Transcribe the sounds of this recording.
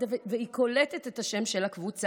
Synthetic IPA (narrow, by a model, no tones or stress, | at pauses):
aveveikʰo̞letetethaʃe̞mʃelakvut͡s